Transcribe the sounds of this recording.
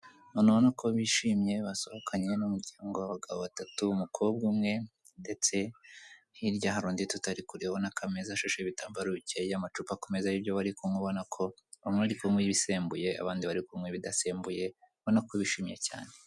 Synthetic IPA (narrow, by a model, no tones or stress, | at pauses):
nonoβonakʰo̞βiʃimje̞βasohokʰaɲe̞numuɾɟaːŋɡo̞waβaɡaβoβatatumukʰob̚ɡuːmŋe̞ | nde̞t͡se̞ | hiɾɟaɦaɾuːnditutaɾikuɾihonakʰamezaʃeʃeβitaːmbaɾuceamat͡ʃupakome̞zajibjo̞βaɾikumŋeβo̞nakʰo̞ | amŋweaɾikumwiβise̞ːmbuje̞a̰βaːndiβaɾikumŋeβidase̞ːmbuje̞ | βonakoβiʃiːmje̞ca̰ːne̞